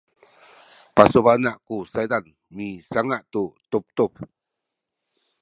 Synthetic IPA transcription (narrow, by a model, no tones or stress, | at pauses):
pasuβanaʔkusajd̪an | misaŋaʔt̪ut̪up̚t̪up̚